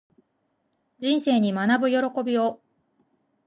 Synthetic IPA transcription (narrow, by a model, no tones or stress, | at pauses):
d͡ʑĩɰ̃se̞ːɲ̟imanabɯ̟jo̞ɾo̞ko̞bʲio̞